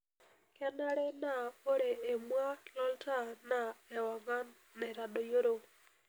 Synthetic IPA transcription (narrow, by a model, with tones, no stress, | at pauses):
kɛ˦na˦ɾe˦na˨o˦ɾeː˨mwa˦lɔ˦lta˦na˨ɛ˨wa˨ɡa˦ | nɛ˨ɾa˨do˨jo˦ɾo˨